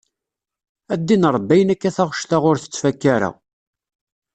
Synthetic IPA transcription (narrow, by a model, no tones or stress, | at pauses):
æd̪ːinɾˤbːæjənækːæθaʁʃt̪aʁʊɾθə̥t͡sːfækːaɾæ̰